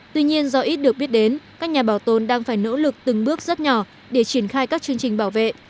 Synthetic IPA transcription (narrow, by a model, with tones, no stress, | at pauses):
t̪wi˧ɲi˧ənzɔ˧ʔi˦˥t̚ɗɨ˨˩ək̚ɓi˦˥ət̚ɗe˨˦nkaː˦˥k̚ɲaː˨˩ɓaː˧˩wt̪o˧nɗaː˧ŋfaː˧˩jno̰˧˥lɨ˨˩k̚t̪ɨ˨˩ŋɓɨ˦˥ək̚z̥ə˦˥t̚ɲɔ˧˩ | ɗe˧˩t͡ɕi˧˩ənxaː˧jkaː˦˥k̚t͡ɕɨ˧əŋt͡ɕï˨˩ŋ̟ɓaː˧˩wvḛ˧˨ʔ